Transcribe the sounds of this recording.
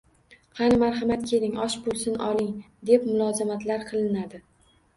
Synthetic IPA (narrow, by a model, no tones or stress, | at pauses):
qʰɑnɪmaɾɦɑmat̪kʲʰe̞lɪŋɒʃbolˠsɪnʔɒ̰lˠɪŋ | d̪e̞pmʊlˠɒzamat̪laɾqʰɨlˠɪnad̪ɪ